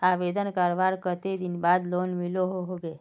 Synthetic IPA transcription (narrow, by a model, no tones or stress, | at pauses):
aʋed̪ənkəɾʋaɾkət̪ed̪inbad̪lonmiloɦoɦoɡe